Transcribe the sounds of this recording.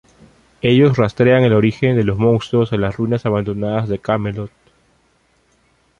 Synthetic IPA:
e̞ʝo̞srast̪ɾeaŋe̞lo̞ɾixe̞nd̪e̞lo̞zmõ̞ŋst̪ɾosalasrunasaβand̪o̞naðazðe̞kamelot̪̚

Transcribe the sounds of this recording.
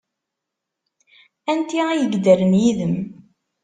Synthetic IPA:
ænt̪iæjəɡd̪æɾənjiðəm

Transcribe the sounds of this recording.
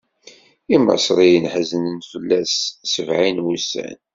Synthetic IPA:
imɑ̰sˤɾˤijənħəzənənfəlːæssəvʕinwusːæ̰n

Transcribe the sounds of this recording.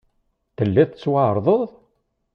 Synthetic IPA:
θəlːiθət͡sːwaʕəɾˤðˤəðˤ

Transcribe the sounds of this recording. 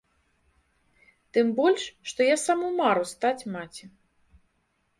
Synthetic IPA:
t̪ɨmbɔlʲʂʂt̪ɔjasamumaɾust̪at͡sʲmat͡sʲi

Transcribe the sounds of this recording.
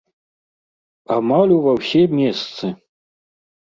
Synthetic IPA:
amalʲuvɐwsʲɛmʲɛst̪sɨ

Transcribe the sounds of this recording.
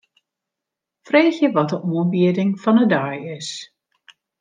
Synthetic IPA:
freːxjəʋɔt̚dəʔuənbiədɪŋfɔnədajɪs

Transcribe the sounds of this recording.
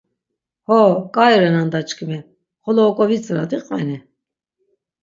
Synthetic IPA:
hɔkʼaɛɾɛnand̪at͡ʃʼkʰʼimi | χɔlɔːkʼɔvit͡sʼɾad̪iqʼvɛni

